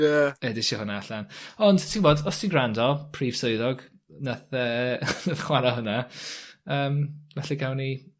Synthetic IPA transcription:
jaɛdɪʃɪhʊnaaɬanɔndtʰinboːdɔstʰiɡrandɔpʰriːv̥soɨðɔɡ | naθənaθχwanaɦʊna | əːmvɛɬɛɡawni

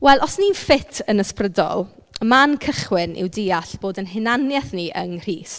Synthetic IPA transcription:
wɛlˠɔsninfɪtʰənəsprədɔ̰lˠ | mankʰəχwɪnʔɪ̰wdiːaɬb̥oːdənɦɪnanjɛθniʔə̰ŋr̥iːst

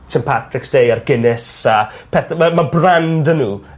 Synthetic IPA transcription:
sɪ̃npʰatrɪksd̥ejarɡɪnɪsapʰɛθɛmabrandənuː

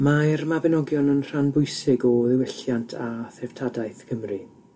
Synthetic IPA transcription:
marmabɛnɔɡjɔnənr̥anbʊjsɪɡɔðɪwɪɬjantʰaθɛv̥tʰadajθkʰəmri

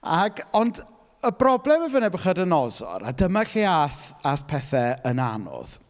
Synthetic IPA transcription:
aɡɔnd | əbrɔblˠɛməvənɛbəχadənɔzɔ̰ɾa̰dəmaɬiaθaθpʰɛθɛəna̰nɔ̰ð̥

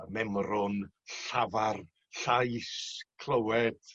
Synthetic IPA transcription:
mɛmrʊn | ɬavar | ɬajskʰlˠəwɛd̥

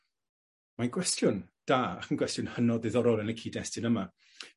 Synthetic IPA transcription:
maɡwɛstjʊnd̥aːa̰kʰənɡwɛstjʊnhənɔðɨðɔɾɔlˠɛnəkʰiːdɛstɨnəma

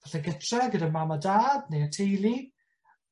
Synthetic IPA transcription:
aɬɛɡətʰrɛɡədəmamadaːdnejatʰejlˠi

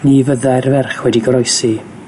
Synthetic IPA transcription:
nivəðajrvɛrχwɛdiɡɔɾɔjsi

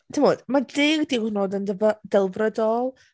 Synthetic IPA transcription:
tʰəmoːd̥madɪɡdiwhnodəndəvəd̥ɛlˠvrədɔlˠ

